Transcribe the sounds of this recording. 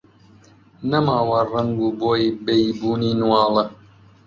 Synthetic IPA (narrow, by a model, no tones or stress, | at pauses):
nɐmaːwɐrɐŋɡuːboːjbejbuːniːnwɑːlɐ